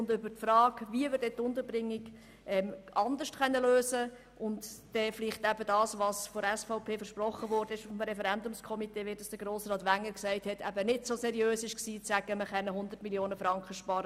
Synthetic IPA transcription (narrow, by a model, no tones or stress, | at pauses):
ʊndʏbəɾtfɾɑːɡʋiəʋɪɾd̥ɛtʊndəɾbɾɪŋːɪɡ | ʔɛmʔɑnd̪əʃtχɛnːəløːsə | ʔʊntd̥ɛːflɪχtæbədɑːsʋɑːsfɔɛsfaʊpʰeːfəɾʃprɔχːəʋɔːɾdəɪʃfɔmɾɛfɛɾɛndʊmskʰɔmiteːʋɪd̥ɑsd̥əɾɡ̥ɾoːsrɑːtʋæŋːəɾksæɪthɛtʰæbənɪtsosɛɾiøːsɪʃksiːt͡sæɡ̥əməχɛnːəɦʊnd̪əɾtmiljoːnəfɾɑŋkχəʃpɑːɾə